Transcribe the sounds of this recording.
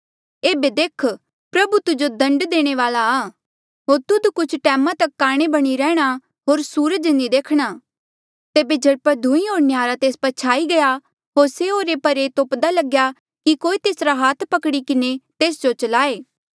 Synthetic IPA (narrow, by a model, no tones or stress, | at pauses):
eːbed̪eːkʰ | pɾɐbut̪ʊd͡ʒod̪ɐ̃ɳɖd̪eːɽ̃eʋaːlaː | ɦoːɾt̪ʊd̪kʊt͡ʃʰʈɛːmãt̪ɐkːaːɽ̃ebɐɽ̃iɾɛːɽ̃a | ɦoːɾsuːɾəd͡ʒnid̪eːkʰɽ̃a | t̪eːbed͡ʒɐɽpəɾd̪ʱʊ̃ĩɦoːɾnjaːɾat̪eːspɐt͡ʃʰaːiɡɐja | ɦoːɾseoːɾepɐɾet̪oːpd̪alɐɡja | kikoːit̪eːsɾaɦaːt̪ʰpɐkɽikɪnet̪eːsd͡ʒot͡ʃɐlaːeː